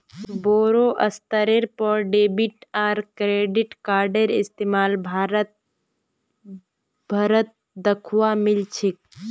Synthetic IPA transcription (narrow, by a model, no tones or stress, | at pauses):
boːɾoʔɐst̪əɾeɾpɔɾɖeːbɪʈaːɾkɾeːɖɪʈkaːɾɖeɾɪst̪eːmaːlbʱaɾ | bʱɐɾət̪̚ | d̪əkʰwamɪlt͡ʃʰik̚